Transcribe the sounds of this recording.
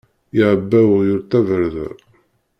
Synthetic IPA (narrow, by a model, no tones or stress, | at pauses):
iʕəbːæwəʁjʊɾt̪ˤːævəɾðæ̰